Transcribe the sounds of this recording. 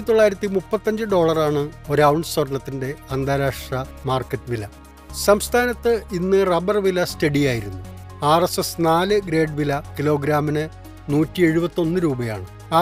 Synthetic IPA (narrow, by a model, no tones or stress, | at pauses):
it̪o̞ɭːaːjiɾɐt̪ːimupːɐt̪ːɐɲd͡ʑɨɖo̞ːɭɐraːɳɨo̞ɾɐwuɳɖswɐrɐnɐt̪ːinde̞ɐnd̪aːɾaːʂɐmaːrkːɐtːɨʋilɐ | sɐmst̪ʰaːnɐt̪ːɨinːɨrɐbɐrʋilɐstɐɽijaːjiɾunːu | aːresesnaːlɨɡɾe̞ːɖʋilɐkilo̞ːɡɾaːminɨ | nuːtːie̞ɻubɐt̪ːo̞nːɨɾuːbɐja̰ːɳɨ | aː